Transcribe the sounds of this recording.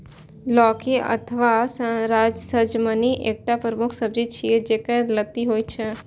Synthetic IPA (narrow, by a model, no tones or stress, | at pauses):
lɔkiʔə̰t̪ʰəʋasəɾad͡ʒsəd͡ʒməniʔek̚ʈapɾəmukʰsəbd͡ʒit͡ʃʰied͡ʒekə̃jlət̪ːiɦojt͡ʃʰe